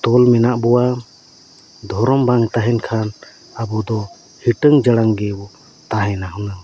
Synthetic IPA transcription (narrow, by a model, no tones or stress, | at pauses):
t̪ɔlmɛnaʔbɔwa | d̪ʱɔɾɔmbaŋt̪aɦɛnkʰan | abɔd̪ɔ | hiʈəŋd͡ʒəɽaŋɡɛbɔ | t̪aɦɛ̃naɦuna